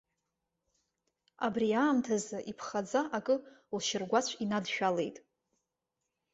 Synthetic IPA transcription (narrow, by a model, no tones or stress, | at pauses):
a̰briaːmtʰazɨʔipʰχad͡zaʔakʼɨlʃɪrɡʷat͡ɕʷʰinadʃᶣale̞̰jtʼ